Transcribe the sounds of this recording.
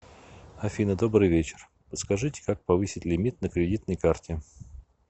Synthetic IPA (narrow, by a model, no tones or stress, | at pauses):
ɐfʲinəd̪o̞bɾɨjvʲet͡ɕɪ̥r | pət̪skɐʐɨtʲɪ̥kak̚pɐvɨsʲɪtʲlʲɪmʲit̪̚nəkɾʲɪdʲit̪nəjkartʲɪ